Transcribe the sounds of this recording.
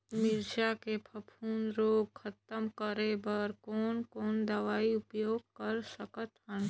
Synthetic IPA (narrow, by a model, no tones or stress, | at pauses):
mɪɾd͡ʒakepʰəpʰuːnɾoːɡkʰɐt̪əmkəɾebəɾkoːnkoːnd̪əʋaːiʊpjoːɡ̚kəɾsəkət̪ɦən